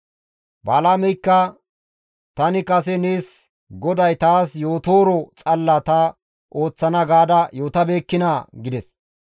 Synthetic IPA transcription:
baːlaːmɛjkːɐ | t̪ɐnɪkɐs̬ɛneːs | ɡɔd̪ɐjt̪aːsjo̞ːt̪o̞ːɾɔt͡sʼɐlːɐt̪a | ʔo̞ːt͡sːɐnɐɡaːd̪ɐjo̞ːt̪ɐbe̞ːkːɪnaːɡɪd̪ɛs

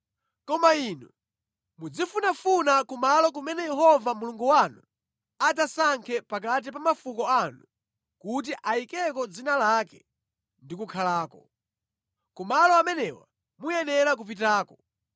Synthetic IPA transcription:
kɔmainu | mud͡zifunafunakumalɔk̬umɛnɛjɛɦɔvamuluŋɡuwanu | ad͡zasaŋkʰɛpak̬at̬ipamafukɔanu | kut̬iʔajikɛkɔd͡zinalakɛ | ndikukʰalaːkɔ | kumalɔamɛnɛwa̰ | mujɛnɛɾak̬up̬it̬aːkɔ

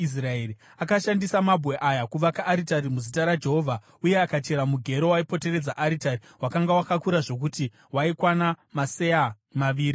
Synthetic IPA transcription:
is̬raeri | akaʃandisamabʱwe̞ʔajakuʋakaʔːɾitaɾimuzitaɾad͡ʒe̞ɦo̞vʱa | uje̞akat͡ʃe̞ɾamuɡʱe̞ɾo̞waipo̞te̞re̞d͡zaʔaɾitari | wakaŋɡawakakuɾaʐo̞k̬uti | waikwanamase̞a | maʋiːɾi

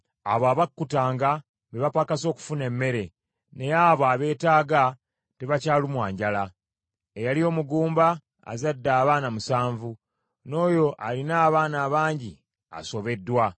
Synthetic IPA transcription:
a̰βaːβakːutaːŋɡa | meβapakaso̞ːku̥fune̞mːe̞ɾe̞ | ne̞jaβaβe̞ːtaːɡa | te̞βacaːlumwaːɲɟala | ejalio̞muɡuːmba̰ː | zadːaːβaːnamusaːɱvu | no̞ːjo̞ʔalinaːβaːnaːβaːɲɟi | a̰so̞βe̞dːwa

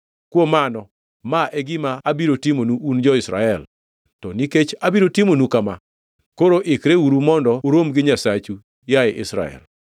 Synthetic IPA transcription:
kwomanɔ | maʔɛɡɪmaabiɾotimonuːnd͡ʒɔɪsɾa̰ɛl | tɔniket͡ʃabiɾotɪmonukama | koɾoʔɪkɾeuɾumɔndɔɾomɡɪɲasat͡ʃu | jaɛʔɪsɾa̰ɛ̰l

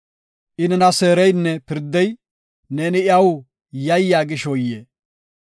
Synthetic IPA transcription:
ʔɪnɛnɐseːɾɛjnːɛpɪɾd̪ːɛj | neːnɪɪɐwʊ | jɐjːaːɡɪʃɔjːeː

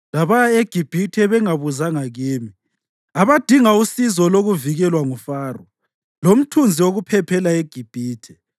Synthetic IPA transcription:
laβajaeɡ̥ʱib̥ʱitʰɛβɛŋaβuzaŋaɣiːmi | aβad̥ʱiŋausizɔloɣuviɣɛlwaŋufaːrɔ | lom̩tʰund͡zʱiwoɣupʰɛpʰɛlaeɡ̥ʱib̥ʱiːtʰɛ̥

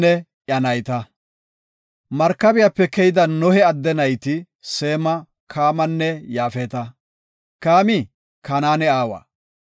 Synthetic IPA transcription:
ɛ | ʔjɐnɐjt̪ɐ | mɐɾkːɐbɪjapːɛkɛjɪd̪ɐnɔhɛɐd̪ːɛnɐjt̪ɪ | seːmɐ | kʰaːmɐnːɛjaːfɛt̪ɐ | kaːmɪ | kɐnaːnɛaːwɐ̰ː

